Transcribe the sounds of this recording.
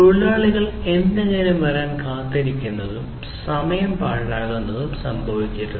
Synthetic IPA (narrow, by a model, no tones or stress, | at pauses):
uɭːaːɭiɣɐɭe̞nd̪eɲɐnumʋɐɾaːnkaːt̪ːiɾikʲːunːɐðum | sɐmɐjɐmpaːɻlaːɣunːɐðumsɐmbʱɐʋikʲːiʈːu